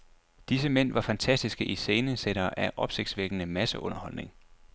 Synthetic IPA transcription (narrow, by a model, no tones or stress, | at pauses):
d̥is̬əmen̰ʋɑ̈fænt͡sʰæsd̥isɡ̥əʔise̝ːnəseɾ̥ɐːʔæʔɒ̽b̥se̝ɡ̥̚sʋeɡ̥ənəmæsəʔɔ̽nɐhɒ̽l̰ne̝ŋ